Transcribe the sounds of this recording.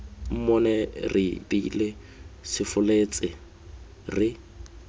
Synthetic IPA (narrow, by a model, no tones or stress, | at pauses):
m̩mɔnɛrɪdile | sɪfʊlet͡sʼɪ | rɪ